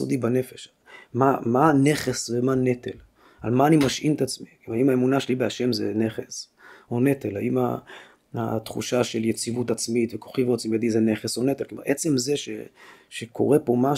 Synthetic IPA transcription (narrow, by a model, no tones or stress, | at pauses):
o̰dibane̞feʃ | mamane̞χesvemane̞t̪el | a̰lmaːnimaʃʔimt̪at͡smikmaimaemunaʃelibeaʃe̞mzḛneχes | o̞ne̞t̪ela̰ima̰ | a̰t̪χṵʃaʃe̞ljet͡sivut̪at͡smit̪vekoχivot͡simjad̪izene̞χeso̞ne̞t̪elkloma̰ʁʔet͡se̞mzeʃḛʃekʰo̞̰ʁe̞po̞ma